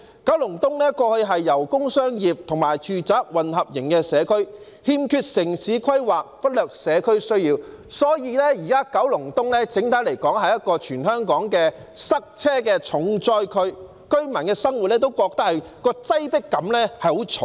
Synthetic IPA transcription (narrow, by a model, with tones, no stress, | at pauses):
kɐ˨˥wlʊ˨˩ŋt̪ʊ˥ŋnɛː˥kɔː˧hɵ˧ɥɦɐ˨jːɐ˨˩wkʊ˥ŋsœː˥ŋjiː˨p̚t̪ʰʊ˨˩ŋmaː˨˩jt͡ʃʰyː˨˧t͡saː˨˥k̚wɐ˨nɦɐ˨p̚jɪ˨˩ŋkɛː˧sɛː˨˧kʰɵ˥ɥ | hiː˧mkʰyː˧t̚sɪ˨˩ŋsiː˨˥kʰɐ˥jwaː˨˩k̚fɐ˥t̚lœː˨k̚sɛː˨˧kʰɵ˥ɥsɵ˥ɥjiː˧w | sɔː˨˥jiː˨˧lɛː˥jiː˨˩kaː˥kɐ˨˥wlʊ˨˩ŋt̪ʊ˥ŋlɛː˥t͡sɪ˨˥ŋt̪ʰaː˨˥le˨˩jkɔː˨˥ŋhɐ˨jːɐ˥t̚kɔː˧t͡ʃʰyː˨˩nhœː˥ŋkɔː˨˥ŋkɛː˧sɐ˥k̚t͡sʰɛː˥kɛː˧t͡ʃʰʊ˨˥ŋt͡sɔː˥jkʰɵ˥ɥ | kɵ˥ɥmɐ˨˩nkɛː˧sɐ˥ŋwu˨t̚lɛː˥t̪o˥wkɔː˧k̚t̪ɐ˥k̚hɐ˨˩j | kɔː˧t͡sɐ˥jpɪ˥kːɐ˨˥mlɛː˥hɐ˨jho˨˥wt͡sʰʊ˨